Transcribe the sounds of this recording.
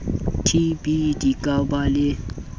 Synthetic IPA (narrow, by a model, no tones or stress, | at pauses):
tʰibidikawbale